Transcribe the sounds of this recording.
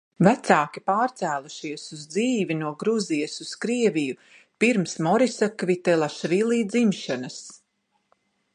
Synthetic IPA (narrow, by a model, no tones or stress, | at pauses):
væt̪saːkipaːɾt̪sæːlˠuʃiɛsuzd̪ziːvinuɔɡɾuzijəsuskɾiɛviju | piɾmsmɔɾisakvit̪ɛlˠaʃvilˠiːd̪zimʃanas